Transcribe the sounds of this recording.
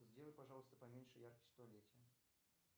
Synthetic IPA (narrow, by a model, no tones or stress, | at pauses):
zʲdʲelˠəjʲpɐʐalˠəst̪əpɐmʲenʲʂɨjarkə̥sʲst̪ɐlʲetʲɪjə